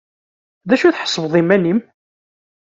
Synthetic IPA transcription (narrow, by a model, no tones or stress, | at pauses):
ðæʃuθħə̥sˤːvðˤimːænim